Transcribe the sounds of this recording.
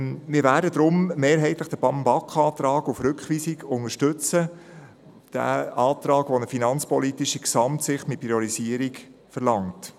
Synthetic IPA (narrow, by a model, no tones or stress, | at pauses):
mɪːɾvæːdədɾʊmmeːɾɦɛɪtləχd̥əbɑmbɑkχɑːtɾɑːɡufɾʏkχʋiːsiɡʊŋəʃtɵt͡sə | d̥æ̰ɑːt̪ɾɑːɡʋɔnəfinɑnt͡spɔlitiʃiksɑmtsɪχtmɪt̚pɾiɔɾisiəɾikfəɾlɑŋt